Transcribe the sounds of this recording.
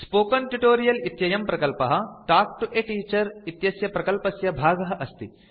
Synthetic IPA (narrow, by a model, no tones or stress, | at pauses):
spoːkɐnʈuʈoːɾijɐlit̪jɐjɐmpɾɐkɐlpɐɦɐ̆ʈaːk̚ʈuʔeʈiːt͡ʃɐɾit̪jɐsjɐpɾɐkɐlpɐsjɐbʱaːɡɐɦɐʔɐst̪i